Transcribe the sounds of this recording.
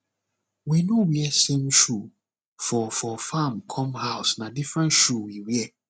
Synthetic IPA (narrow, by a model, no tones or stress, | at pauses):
winowiɛsẽmʃu | fɔfɔfãmkʰɔ̃mhaʊsnãdifɹɛ̃ntʃuwiwiɛ